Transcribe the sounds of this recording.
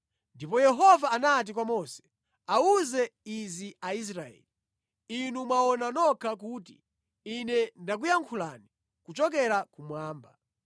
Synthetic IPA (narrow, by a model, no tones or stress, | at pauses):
ndipɔjɛɦɔvaːnat̬ikwamɔsɛ̥ | auzɛiziais̬ɾaɛ̰li | inumwaɔnanɔkʰak̬uːtḭ | inɛndak̬ujaŋkʰula̰ni | kut͡ʃɔk̬ɛɾakumwaːmba